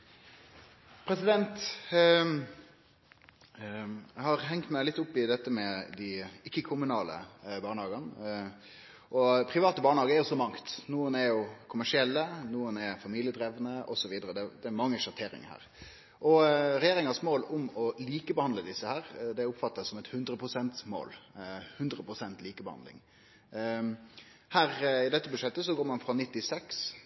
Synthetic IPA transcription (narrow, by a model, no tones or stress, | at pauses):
pʰɾɛsɪd̪ɛnt̪ | jæhɑʁɦɛŋkt̪mæɪlɪt̪ːʊpːɪd̪ɛt̪ːəmɛd̪ɪɪkːəkʰʊmʉnɑːlə̰bɑːɳəhɑːɡɑn | ʔɔpʰɾɪʋɑːt̪əbɑːɳəhɑːɡəæɾjʊsɔmɑŋt̪nuːənɛɾjʊkʰʊmæʂɪɛlːənuːənɛfɑmiːlɪəd̪ɾɛːʋnəɔsɔʋiːd̪əɾəd̪ɛd̪ɛːmɑŋːəʂɑt̪ʰeːɾɪ̰ŋəhæ̰ːɾ | ʔɔɾɛjeːɾɪŋɑsmoːlʊmɔliːkəbəhɑnd̪ləd̪ɪsːəhæːɾd̪ɛʊpfɑt̪ːɑsɔmɛt̪hʉnd̪ɾəpʰɾʊsɛnt̪smo̰ːlhʉnd̪ɾəpɾʊsɛnt̪liːkəbəhɑ̰nd̪lɪ̰ŋ | hæːɾɪd̪ɛt̪ːəbʉʂɛt̪ːəsɔɡoːɾmɑnfɾɑnɪt̪ːɪsɛks